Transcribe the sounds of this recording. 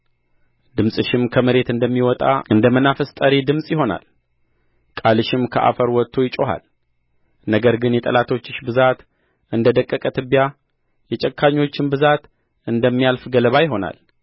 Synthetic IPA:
d̪ɨmsʼɨʃɪmkʰəmɨɾe̞t̪ɨnd̪əmːiwɔt̪ʼa̰ɨnd̪əmənafəst̪ʼəɾid̪ɨmsʼjɪho̞na̰l | kʼalɨʃɪmkʰəʔa̰fəɾwɔt̪ʰːojɪt͡ʃʼoɦa̰l | nəɡəɾɡɨnjɛt̪ʼəlat̪ʰo̞t͡ʃːɨʃbɨzat̪ | ʔɨnd̪əd̪əkʼːəkʼət̪ʰɨbija | jɛt͡ʃʼɛkʰːaɲːo̞t͡ʃːɪmbɨzat̪ | ʔɨnd̪əmːijalfɡələβajɪɦo̞na̰l

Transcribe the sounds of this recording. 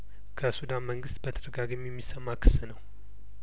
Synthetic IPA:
kʰəsud̪anməŋɡɨst̪bət̪ʰəd̪əɡaɡɨmjɛmːisəmːakʰɨ̥sɨnəw

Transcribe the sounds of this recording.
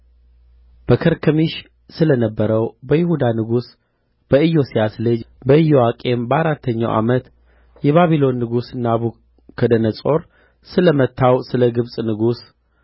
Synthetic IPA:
b̥əkʰəɾkʰəmiʃ | sɨlənəbːəɾəwbəjɪhud̪anɨɡus | b̥əɨjːo̞siasləd͡ʒbəɨjo̞akʼe̞mbəaɾat̪ʰːəɲːa̰wʔa̰mət̪ | jɛβaβilo̞nːɨɡusɨnːaβu | kʰəd̪ənəsʼo̞ɾ | sɨləmət̪ʰːawsɨləɡɨβsʼnɨɡus

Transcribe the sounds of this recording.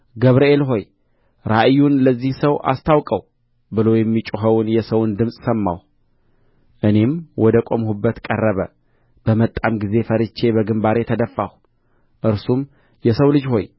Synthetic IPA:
ɡəβɾəelɦo̞j | ɾaʔjːunləzːihsəwʔa̰st̪ʰawkʼəw | bɨlo̞jɛmːit͡ʃʼuɦəwʊnjɛsəwnd̪ɨmsʼsəmːa̰w | ʔɨne̞mwʔɔd̪əkʼo̞mhubːət̪kʼərːəβə̰ | b̥əmət̪ʼːamɡize̞fəɾɨt͡ʃʰːe̞bəɡɨmbaɾe̞t̪ʰəd̪əfːaw | ʔɨɾsum | jɛsəwlɨd͡ʒho̞j

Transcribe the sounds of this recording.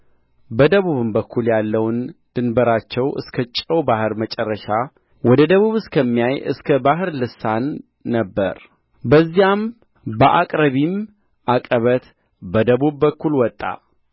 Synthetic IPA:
bəd̪əβuβɨmbəkʰːuljalːəwnd̪̥ɨnbəɾat͡ʃːɛwɨ̰skʰət͡ʃʼːəwbahɨɾmət͡ʃʼɛrːəʃa | wɔd̪əd̪əβuβɨskʰəmːijajɨ̰skʰəbaɦɨɾlɨsanː | əbːə̰ɾ | bəzːijam | bəʔakʼɾəβim | ʔakʼəβət̪ | bəd̪əβubːəkːulwɔt̪ʼːa̰

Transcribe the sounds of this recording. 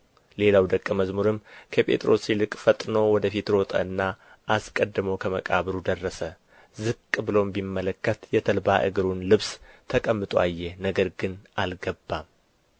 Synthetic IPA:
le̞lawd̪əkʼːɨməzmuɾɨmkʰəpʼʰe̞̰t̪ʼɾo̞silɨkʼfət̪ʼno̞wɔd̪əfit̪ɾo̞t̪ʼə̰ɨnːa | ʔaskʼəd̪ːɨməwkʰəməkʼaβɾud̪ərːəsə | zɨkʼːbɨlo̞mbimːələkːət̪jɛt̪ʰəlbaʔɨ̰ɡɨɾunlɨβst̪ʰəkʼəmːɨt̪ʼwajːɛnəɡəɾɡɨnʔalɡəbːam

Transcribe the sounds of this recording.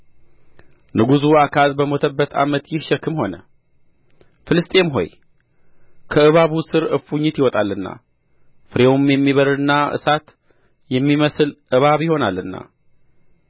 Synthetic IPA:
nɨɡuzuakʰazbəmot̪ʰəbːət̪ʰa̰mət̪jɪhʃɛkːɨmho̞nə̰ | fɨlɨst̪ʼe̞mɦo̞̰j | kʰəɨβaβusɨɾɨfuɲːɪt̪jɪwɔt̪ʼalːɨnːa̰ | fɨɾewumjɛmːiβəɾɨnːaɨ̰sat̪ | jɛmːiməsɨlʔɨβaβjɪho̞nalːɨnːa̰

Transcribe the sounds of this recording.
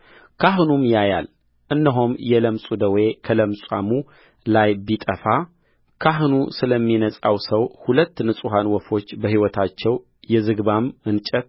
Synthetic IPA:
kʰaɦnumjajal | ʔɨnːəɦomjɛləmsʼud̪əwe̞kʰələmsʼa̰mu | lajbit̪ʼəfa | kʰaɦnusɨləmːinəsʼawsəwhulət̪ːnɨsʼuɦanwɔfo̞t͡ʃːbəɦiwɔt̪ʰat͡ʃːɛw | jɛzɨɡβamɨnt͡ʃʼət̪

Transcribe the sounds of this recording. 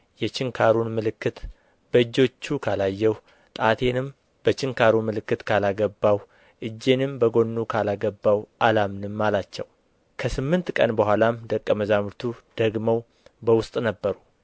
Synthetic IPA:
jɛt͡ʃɪŋkʰaɾunmɨlɨkːɨt̪ | b̥əɨd͡ʒːo̞t͡ʃːukʰalajːɛw | t̪ʼat̪ʰe̞nɨm | b̥ət͡ʃɪŋkʰaɾumɨlɨkːɨt̪kʰalaɡəbːaw | ʔɨd͡ʒːe̞nɨmbəɡo̞nːukʰalaɡəbːawʔalamnɨmːalat͡ʃːɛw | kʰəsɨmːɨnt̪kʼə̰nbəhʷalamd̪əkʼːəməzamɾt̪ʰud̪̥əɡməw | bəwʊst̪ʼnəbːəɾu

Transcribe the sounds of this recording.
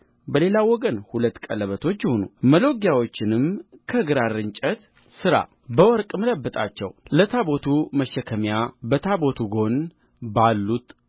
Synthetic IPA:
bəle̞lawɔɡənhulət̪ːkʼələβət̪ʰot͡ʃːjɪhonuməlo̞ɡjawo̞t͡ʃːɪnɨmkʰəɨɡɾaɾɨɲt͡ʃʼət̪ | sɨɾa̰ | bəwɔɾkʼmələbːɨt̪ʼa̰t͡ʃːɛ̰wlət̪ʰabo̞t̪ʰuməʃːəkʰəmjabət̪ʰabo̞t̪ʰuɡo̞n | balːut̪

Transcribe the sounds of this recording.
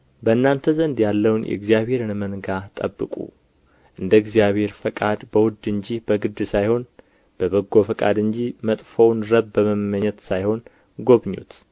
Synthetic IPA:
bəɨnːant̪ʰəzənd̪jalːəwnjɛ̰ɨɡzijaβhe̞ɾɨnmənɡat̪ʼə̰bːɨkʼṵ | ʔɨnd̪əɨɡzijaβhe̞ɾfəkʼad̪bəwʊd̪ɨɲd͡ʒibəɡɨd̪ːɨsajho̞n | b̥əβəɡːo̞fəkʼa̰d̪ɨɲd͡ʒimət̪ʼfownɾəβbəməmməɲːɛt̪sajho̞n | ɡo̞βɲːṵt̪

